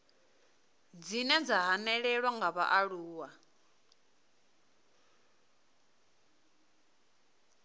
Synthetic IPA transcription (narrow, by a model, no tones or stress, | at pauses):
d͡zinɛd͡zaɦanɛɺɛɺwaŋɡaβa̰ʔaɺuːwa